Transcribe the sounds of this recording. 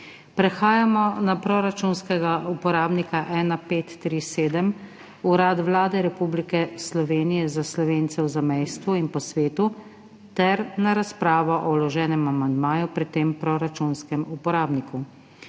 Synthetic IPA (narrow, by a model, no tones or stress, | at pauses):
pɾɛxaːjamɔnapɾɔɾat͡ʃunskɛɡaupɔɾaːbnikaʔɛːnapeːt̪ːɾiseːd̪əm | uɾat̪ʋlaːd̪ɛɾɛpublikɛslɔʋeːnijɛzaslɔʋeːnt̪sɛwzamɛjst̪ʋuinpɔsʋeːt̪u | t̪ɛɾnaɾaspɾaːʋɔʔɔwlɔʒɛːnɛmamand̪maːjupɾit̪ːeːmpɾɔɾat͡ʃunskɛmupɔɾaːbniku